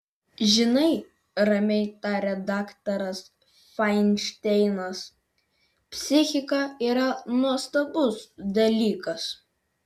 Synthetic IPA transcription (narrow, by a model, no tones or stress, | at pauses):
ʒʲɪnɐɪ | ɾɐmʲɛɪt̪ɑɾʲɛd̪ɑːkt̪ɐɾɐs | fɑɪnʲʃt̪ʲɛɪnɐs | pʲsʲɪxʲɪkɐˑiːɾɐnuɔst̪ɐbʊsd̪ɐlʲiːkɐs